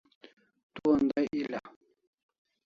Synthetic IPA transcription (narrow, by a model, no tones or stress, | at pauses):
tuandaʔila